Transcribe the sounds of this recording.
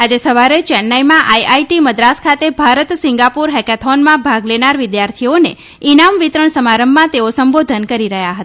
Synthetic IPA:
ad͡ʒesəʋaɾet͡ʃɛnːajmãʔajaiʈiməd̪ɾaskʰat̪ebʱaɾət̪sɪ̃ŋɡapuɾɦɛkɛt̪ʰɔnmãbʱaɡlenaɾʋɪd̪jaɾt̪ʰionḛ | inamʋit̪ɾəɳsəmaɾəmbːãt̪eosəmbod̪ʱənkəɾiɾəɦjaɦət̪a

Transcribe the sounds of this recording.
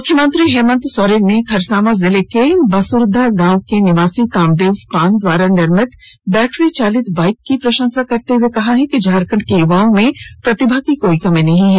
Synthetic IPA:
mmʊkʰjəmə̃nt̪ɾiɦɛːmə̃nt̪sɔːɾenekʰɐɾsaːmazɪlekebɐsʊɾd̪ʱaɡãːʋkenɪʋaːsikãːmd̪eːʋpaːnd̪waːɾanɪɾmɪt̪bɛːʈʰɾit͡ʃaːlɪt̪baːɪkːipɾɐʃə̃ŋsakɐɾt̪eɦuekɐɦaɦɛ̃kid͡ʒʱaːɾkə̃ɳɖkejuʋaːõmẽpɾɐt̪ɪbʱakikoːikɐmẽnɐɦĩɦɛː

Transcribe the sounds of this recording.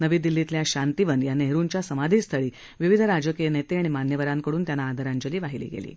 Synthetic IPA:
nəʋiːd̪ilːit̪ljaɕant̪iʋənjanːeɦeɾuɲt͡ɕjasəmad̪ʱiːst̪ʰəɭiː | ʋiʋid̪ʱəɾad͡ʑəkijənet̪eaɽ̃imanjəʋəɾaŋkəɽuːnt̪janːaːd̪ʱəɾaɲd͡ʑəliːʋaɦilḭːɡḛlḭː

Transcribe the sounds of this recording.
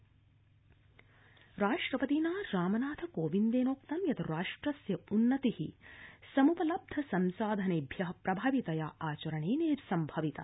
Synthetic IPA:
ɾaːʂʈɾɐpɐt̪iːnaːɾaːmɐnaːt̪ʰɐkoːʋind̪eːnoːk̚t̪ɐmjɐt̪ʰɐɾaːʂʈɾɐsjɐunːɐt̪ihḭsɐmupɐlɐb̚d̪ʱɐsɐmsaːd̪ʱɐneːbʱjɐɦpɾɐbʱaːʋit̪ɐjaʔaːt͡ʃɐɾɐɳeːneːɾsɐmbʱɐʋit̪ɐ̰

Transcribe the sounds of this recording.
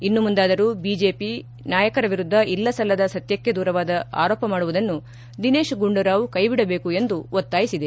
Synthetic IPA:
inːumund̪aːd̪ɐɾuːbiːd͡ʒe̞ːpi | naːjɐkɐɾɐʋiɾud̪ʱːɐʔilːɐsɐlːɐd̪ɐsɐt̪jɐkːe̞d̪uːɾɐʋaːd̪ɐa̰ːɾoːpɐmaːɽuʋud̪ɐnːu | d̪ine̞ːʃɡuɳɖuɾaːʋukɐjbiɽɐbe̞ːkue̞nd̪uot̪ːaːjisid̪e

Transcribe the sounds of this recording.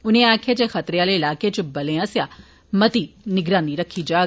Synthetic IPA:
ʊnẽaːkʰjet͡ʃexɐt̪ɾeaːleɪlaːket͡ʃbɐlẽãsja | mɐt̪inɪɡɾaːniɾɐkʰːid͡ʒaː

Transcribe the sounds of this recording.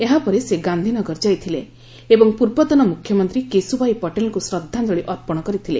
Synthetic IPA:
eɦapɔɾeseɡand̪ʱinɔɡɔɾd͡ʒajt̪ʰile | ebɔŋpuɾbɔt̪ɔnɔmukʰjɔmɔnt̪ɾikesubʱajpɔʈelŋkusɾɔd̪ʱːand̪ɔɭiʔɔɾpɔɽ̃ɔkɔɾit̪ʰile

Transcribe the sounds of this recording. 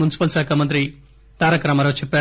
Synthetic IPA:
unisi̥pɐlsaːkʰɐmɐnt̪ɾi | t̪aːɾɐkɾɐmɐɾɐt͡ʃʰipːe

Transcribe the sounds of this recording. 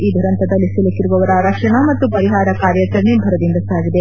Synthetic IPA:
iːd̪ʱuɾɐnt̪ɐd̪ɐlːisilɐkiɾuʋɐʋɐɾɐɾɐkʂɐɳɐmɐt̪ːupɐɾiɦaːɾɐkaːɾjɐt͡ʃɐɾɐɳebʱɐɾɐd̪ind̪ɐsaːɡid̪e̞

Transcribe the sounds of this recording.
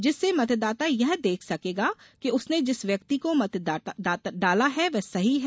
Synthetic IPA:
d͡ʒɪsːemɐt̪d̪aːt̪ajɛɦd̪eːkʰsɐkeːɡaːkiʊsned͡ʒɪsʋjɐkt̪ikomɐt̪d̪aːd̪aːt̪ɖaːlaɦɛʋɛsɐɦiɦ

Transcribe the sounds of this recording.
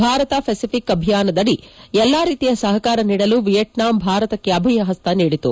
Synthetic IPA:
bʱaːɾɐt̪ɐpʰesipʰikɐbʱijaːnɐd̪ɐɽiɛlːaːɾiːt̪ijɐsɐɦɐkaːɾɐniːɽɐluʋijɐʈnaːmbʱaːɾɐt̪ɐkːeɐbʱɐjɐɦɐst̪ɐniːɽit̪u

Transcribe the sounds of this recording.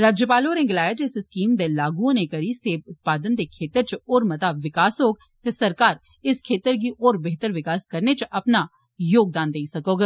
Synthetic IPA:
ɾaːd͡ʒjəpaːloːɾẽːŋɡlaːjaːd͡ʒesɪskiːmd̪eːlaːɡũãneːkəɾiːseːbʊt̪̚paːd̪ənd̪eːkʰeːt̪əɾt͡ʃoːɾmət̪aːbʋɪkaːsɦoːɡ̚ | t̪eːsəɾkaːɾ | ɪskʰeːt̪əɾɡiːʔoːɾbeɦt̪əɾʋɪkaːskəɾneːt͡ʃʔəpnaː | joːɡ̚d̪aːnd̪eisəkoːɡ

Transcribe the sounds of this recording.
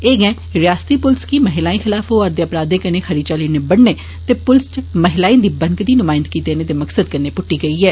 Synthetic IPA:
eːɡɛ̃ː | ɾɪjaːst̪iːpʊlskiːməɦɪlaːĩːxɪlaːfɦoːəɾd̪eəpɾaːd̪ẽːkənẽːxʰəɾiːt͡ʃaliːneːbəɽneː | t̪eːpʊlst͡ʃməɦɪlaːĩːd̪iːbəŋɡd̪iːnʊmaːɪnd̪̚kiːd̪eːneːt̪eːməksəd̪̚kəɾneːpʊʈːiːɡəiːɛː

